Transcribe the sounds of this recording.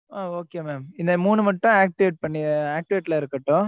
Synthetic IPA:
aːoːkeːmeːmɪnd̪ɐmuːnɯmɐʈːʊ̃aːk̚ʈɪʋeːʈ̚pɐɳːɪaːk̚ʈɪʋeːʈːlɐɪɾɯkːɐʈːʊ̃

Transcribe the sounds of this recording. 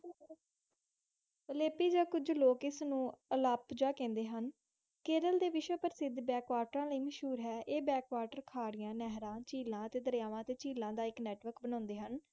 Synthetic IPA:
əleːpiːd͡ʒaːkʊd͡ʒloːkɪsnũːəlaːpd͡ʒaːkɛ̃ːnd̪eːɦən | keːɾəld̪eːʋɪʃwəpəɾsɪd̪bɛːkʋaːʈɾãːləiːməʃɦuːɾɦɛːʔeːbɛːkʋaːʈəɾkʰaːɽɪjãːnɛːɦɾãːt͡ʃiːlãːət̪eːd̪əɾjaːʋãːət̪eːt͡ʃiːlãːd̪aːɪknɛːʈʋəɾkbənãːnd̪eːɦən

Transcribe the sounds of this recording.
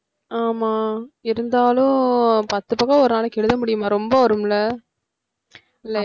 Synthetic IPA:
aːmaːɪɾɯnd̪aːlʊ̃pɐt̪ːɯpɐkːaɔɾɯnaːlɐkɛɻɯðɐmʊɽɪjɯmaːɾɔmbɐʋɐɾɯmlɐ | ɪlːɐ

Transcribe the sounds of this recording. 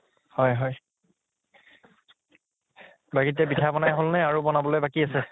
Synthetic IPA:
hɔjɦɔj | baɡitɛbitʰabɔnajɦolnɛaɹubɔnabɔlojbakiasɛ

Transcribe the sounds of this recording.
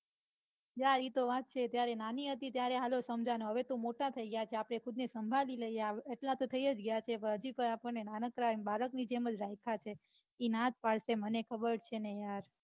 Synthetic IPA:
jaɾit̪oʋat̪̚t͡ʃʰet̪jaɾenaniɦət̪it̪jaɾeɦalosəmd͡ʒanoɦəʋet̪omoʈat̪ʰəiɡəjat͡ʃʰeapɽ̃ekʰʊd̪nesəmbʱaliləiaʋeʈlat̪ot̪ʰəiəd͡ʒɡəjat͡ʃʰepəɦəd͡ʒipəɾapəɽnenanəkɾabaɾəknid͡ʒeməd͡ʒɾajkʰat͡ʃʰe | inãd͡ʒpaɭʃemənekʰəbəɾt͡ʃʰenejaɾ

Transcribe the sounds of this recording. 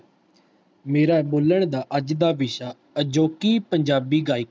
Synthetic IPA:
meːɾaːɛboːləɳ̃d̪aːʔəd͡ʒd̪aːʋɪʃaː | əd͡ʒoːkiːpəɲd͡ʒaːbiːɡaːiːk

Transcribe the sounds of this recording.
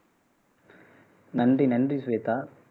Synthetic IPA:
nɐndrinɐndrisʋeːt̪a

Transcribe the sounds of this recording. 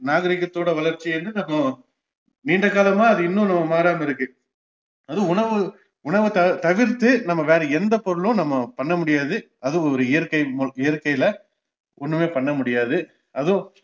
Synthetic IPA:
naːɣɐɾɪɣɐt̪ːoːɽɐʋɐɭɐɾt͡ʃːɪnd̪ɯnɐmːɐ | niːɳɖɐkaːlɐmaːɐðɯɪnːʊ̃nɐmːɐmaːɾaːmɐɪɾɯkːɯ | ɐðɯ̃ʊɳɐʋɯ | ʊɳɐʋɯt̪ɐt̪ɐʋɪɾt̪ːɯnɐmːɐʋeːɾɐɛnd̪ɐpɔɾɯɭʊ̃nɐmːɐpɐɳːɐmʊɽɪjaːðɯ | ɐðʊ̃ɔɾɯɪjɐɾkɐɪmʊɪjɐɾkːɐɪlɐ | ɔnːɯmeːpɐɳːɐmʊɽɪjaːðɯ | ʔɐðʊ̃

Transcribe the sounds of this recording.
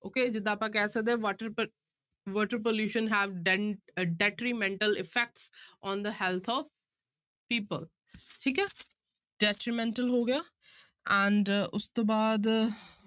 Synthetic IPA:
oːked͡ʒɪd̪ːaːpãkɛːsək̚d̪eːʋɔːʈəɾ | ʋɔːʈəɾp̬oljuːʃə̃nɦæːʋɖɖɛʈɾimɛ̃ɳʈəlɪfɛk̚ʈsʔɔ̃ːnd̪əhɛlt̪ʰɔːʋ | piːpəl | ʈʰiːkɛː | ɖ̥ɛʈɾimɛ̃ɳʈəlɦoːɡɪjaː | ɛ̃ɳɖʊst̪obaːd̪

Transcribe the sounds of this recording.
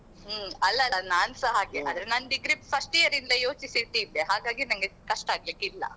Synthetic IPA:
ɐlːɐlɐnaːnsɐɦaːɡeʔɐd̪ɾenɐnːɖiɡɾippʰɐsʈijɐɾind̪ɐjo̞ːt͡ʃisit̪iːd̪eɦaːɡaːɡinɐŋɡekɐʂʈaːɡlikːilːɐ̰

